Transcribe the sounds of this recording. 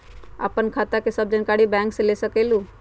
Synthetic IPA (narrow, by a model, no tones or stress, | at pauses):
a̰ːpənkʰaːt̪akesəb̚d͡ʒənkaːɽibɛ̃ːŋksẽlesəkeːlũ